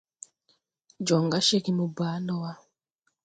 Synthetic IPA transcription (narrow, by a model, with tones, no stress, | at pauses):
d͡ʒɔ˨ŋɡa˦ʃe˦ki˦mu˨baː˨˦nɔ˦wa˦